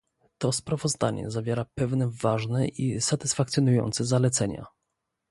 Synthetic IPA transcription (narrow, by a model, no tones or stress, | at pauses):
t̪ɔspɾavɔzd̪a̰ɲɛ̰zavʲjeɾapɛvnɛvaʐnɛʔisat̪ɘsfakt̪sʲjɔnujɔ̰nt̪sɛzalɛt̪sɛɲa̰